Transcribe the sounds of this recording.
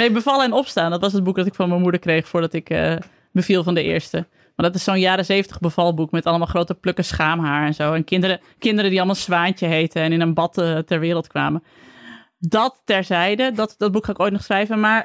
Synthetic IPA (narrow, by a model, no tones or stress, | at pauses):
neːbəvɑlˠəɛnɔpstaːndɔtʋɑsət̚bukdɔtɪkfɔnməmudəkrejχfʊːɹdɔtɪkə̰ | bəvilˠvɔndəʔɪ̰ːɹstə | ʋadɔtɪssoːnjaːɾəzeːvəntə̥χbəvɑlˠbukmɛtɑlˠəmalˠχroːtəpløkəsχaːmɦaːɹɛnzoːɛnkɪndɾə | kɪndəɾədiɑlˠəmalˠsʋaːntəɦejtəɛnɪnənbɑtətɛɹʋɪːɾəlˠtkʋa̰ːmə | dɔtːɛɹzɛjdədɔtdɔd̚bukχaːɪkoːjt̚nɔχsχrɛjvənmaɹ